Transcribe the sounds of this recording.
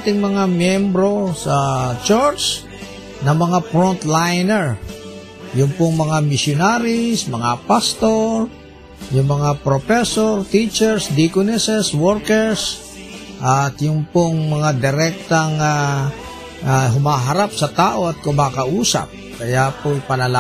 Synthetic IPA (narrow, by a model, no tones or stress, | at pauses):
t̪ɪŋmɐŋamjɛmbɾosat͡ʃɔɹt͡ʃ | nɐŋmɐŋafɾɔnt̪lajnɛɹ | jʊŋpʊŋmɐŋamɪsjʊnaɾɪsmɐŋapast̪oɾ | jʊŋmɐŋapɾofɛsoɾt̪it͡ʃɛɹsd̪ikʊnɛsɛswɔɾkɛɹs | ʔat̪jʊŋpʊŋmɐŋad̪ɪɾɛk̚t̪aŋa | aɦʊmaːɦɐɾap̚sɐt̪aːʔoɐt̪̚kʊmakɐʔuːsa̰p̚kɐjapojpɐnɐla